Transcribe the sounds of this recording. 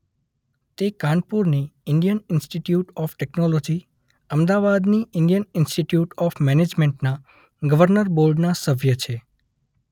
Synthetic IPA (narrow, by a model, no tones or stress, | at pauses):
t̪ekãɳpuɾniɪɳɖijənɪnsʈiʈjuʈɔfʈɛknolod͡ʒi | əmd̪aʋad̪niɪɳɖijənɪnsʈiʈjuʈɔfmɛned͡ʒmẽɳʈna | ɡəʋəɾnəɾbolɖnasəbʱjət͡ʃʰe